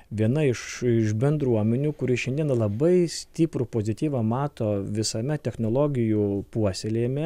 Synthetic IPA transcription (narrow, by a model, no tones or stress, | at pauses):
ʋʲiɛnɐɪʃɪʃbʲɛnd̪ɾuɔmʲɛnʲuːkʊɾʲiːʃʲɛnd̪ʲiɛnɐlˠɐbɐɪsʲt̪ʲiːpɾʊpoːzʲɪt̪ʲiːʋɐmɑːt̪oːʋʲɪsɐmʲɛt̪ʲɛxnoːlˠoːɡʲɪjupuɔsʲɛlʲeːmʲɛ